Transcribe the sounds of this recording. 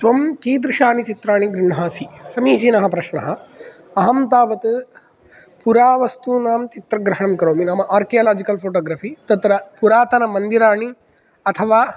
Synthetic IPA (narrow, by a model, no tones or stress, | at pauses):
sʋɐmkiːd̪ɾɪʃaːnit͡ʃit̪ɾaːɳiɡɾɪɳɐɦaːsisɐmiːsinɐɦɐpɾɐʃɳɐ̰ɦɐ̆ | ɐɦɐmt̪aːʋɐt̪ɨ | puɾaːʋɐst̪unaːmt͡ʃit̪ɾɐɡɾɐɦɐɳɐmkɾoːminaːmɐʔaːɾkijɐːlaːd͡ʒikɐlpʰoːʈoːɡɾaːfit̪ɐt̪ɾɐpuɾaːt̪ɐnɐmɐnd̪iɾaːɳi | ɐt̪ʰɐʋaː